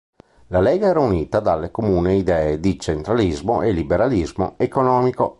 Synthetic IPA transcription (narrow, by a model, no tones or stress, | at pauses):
lalɛːɡaɛːɾauniːt̪ad̪alːekomuːneid̪ɛːed̪it͡ʃent̪ɾalizmoʔelibeɾalizmo̰ekonɔːmiko